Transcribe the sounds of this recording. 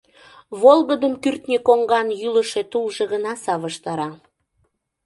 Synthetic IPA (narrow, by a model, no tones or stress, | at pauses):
βolɣəd̪əmkyrt̪nʲekoŋɡɑnjyləʃe̽t̪ulʒeɣənɑsɑβəʃt̪ɑɾɑ